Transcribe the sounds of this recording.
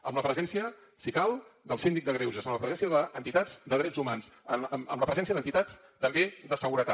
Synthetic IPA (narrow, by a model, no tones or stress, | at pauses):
əmləpɾəzɛnsiə | sikalˠd̪əlˠsind̪ik̚d̪əɣɾewʒəzəmləpɾəzɛnsiəðəːnt̪it̪ad͡zd̪əð̞ɾɛd͡zumansəmə̰mləpɾəzɛnsiəðənt̪it̪at͡s | t̪əmbeðəsəɣuɾət̪a